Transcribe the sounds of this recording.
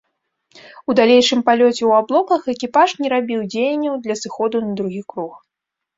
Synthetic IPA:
ud̪alʲejʂɨmpalʲɔt͡sʲɛwablˠɔkɐxɛkʲipaʂnʲɛɾabʲiwd͡zʲejɐnʲːɐwd̪lʲɐsɨxɔd̪unɐd̪ɾuɣʲikɾux

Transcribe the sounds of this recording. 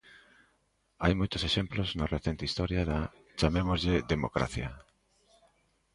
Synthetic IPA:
ajmojt̪oseʃemploznareθent̪eist̪ɔɾjɐaða | t͡ʃamemozʎed̪emokɾa̰θjɐ

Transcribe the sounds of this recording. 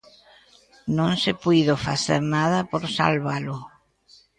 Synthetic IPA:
nõŋsɪpujðofa̰θeɾnaðɐpoɾsa̰lβalʊ

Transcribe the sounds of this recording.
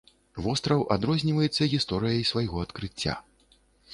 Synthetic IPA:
vɔst̪ɾɐwʔa̰d̪ɾɔzʲnʲivɐjɛt̪sːɐɣʲist̪ɔɾɨjɐjsvajɣɔɐt̪kɾɨt͡sʲːa̰

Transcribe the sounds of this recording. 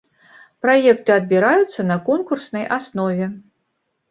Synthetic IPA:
pɾajɛkt̪ɨɐd̪̚bʲiɾajut̪sːɐnɐkɔnkursnɐjasnɔvʲɛ

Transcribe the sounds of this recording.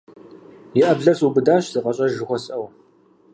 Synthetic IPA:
jɪʔɐbɮɐsubɨdaːɕz̥ɨqɐɕʼɐʒɨχʷɔsʼʔɐw

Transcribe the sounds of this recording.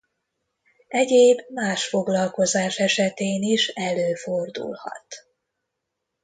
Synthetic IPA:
ɛɟeːbmaːʃfo̞ɡlɒlko̞zaːʃɛʃɛt̪eːniʃɛløːford̪ṵlhɒ̰t̪

